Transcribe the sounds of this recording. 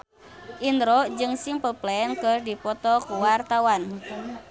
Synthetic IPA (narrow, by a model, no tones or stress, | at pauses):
ʔind̪ɾɔd͡ʒɨŋsiŋpəplɛɛnkɨrdipɔt̪ɔkuwart̪awan